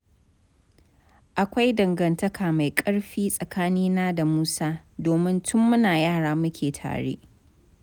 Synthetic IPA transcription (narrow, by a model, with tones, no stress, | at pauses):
ʔa˨kʷa˦jdɐ˨ŋɡɐ˨ntɐ˦kʰaː˨ma˨jkʼɐ˦ɽɸiː˦sʼɐ˨kaː˦niː˦naː˦da˨muː˦saː˦doː˨mɪ˦ntʰʊ˦mːʊ˦naː˨jaː˦˨ɽaː˦mʊ˦kʲʰeː˨tʰa̰ː˨ɽḛː˦ʔ